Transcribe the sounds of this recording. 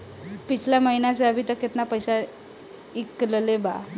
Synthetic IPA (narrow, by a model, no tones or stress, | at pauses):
pit͡sʰljaməɦinat͡seəbʱit̪əkːet̪napəjsa | ikːləleba̰